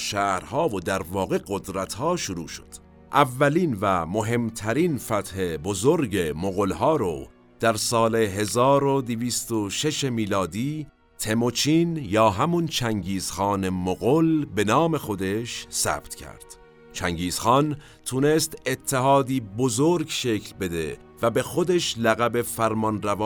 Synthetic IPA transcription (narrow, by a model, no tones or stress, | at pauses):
ʃæʔɾhɒːvod̪æɾvɒːɣe̞ɡo̞d̪ɾæt̪ʰhɒːʃoɾṵːʃo̥̰d̪̥ | ʔævːæliːnvæmoɦe̞mt̪ʰæɾiːnfæt̪hebozoɾɟemoɣolɦɒːɾo̰ | d̪̥æɾsɒːleɦe̞zɒːɾod̪eviːst̪oʃe̞ʃe̞miːlɒːd̪iː | t̪ʰe̞mot͡ʃʰiːnjɒːɦæmunt͡ʃʰæŋɟiːz̥xɑːne̞moɣolbe̞nɒːme̞xo̞d̪e̞ʃsæ̰b̥t̪cʰæ̰ɾd̪̥ | t͡ʃʰæŋɟiːz̥xɒːn | t̪ʰune̞st̪et̪ʰːeɦɑːd̪iːbozoɾɡʃe̞cʰlbe̞d̪e | væbe̞xo̞d̪e̞ʃlæɣæbe̞fæɾmɒnɾævː